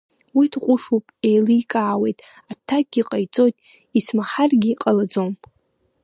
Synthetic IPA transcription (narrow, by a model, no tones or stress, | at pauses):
widʰqʷʼʊʂupʼejlɨːkʼaːwe̞jtʼ | atʰak̚ɡʲiqʼajt͡sʼojtʼ | ismaħarɡʲiqʼalad͡zom